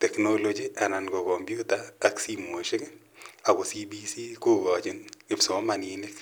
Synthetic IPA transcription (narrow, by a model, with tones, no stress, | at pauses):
t̪ɛ˨kno˦lo˦d͡ʒiʔa˨na˨nɡo˨kɔ˨mpju˦taː˨ksi˦mo˨ʃɪ˦k | a˨ko˨si˦bi˦si˦ko˦ɡɔ˨d͡ʒɪ˦nɪ˨bso˨˦ma˨ni˦nɪ˦k